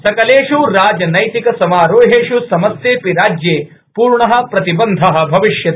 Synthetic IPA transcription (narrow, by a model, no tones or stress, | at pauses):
sɐkɐleːʂuɾaːd͡ʒɐnɐjt̪ikɐsɐmaːɾoːɦeːʂusɐmɐsjeːpiɾaːd͡ʒjeː | puːɾɳɐɦɐ̆pɾɐt̪ibɐnd̪ʱɐɦɐ̆bʱɐʋiʃjɐt̪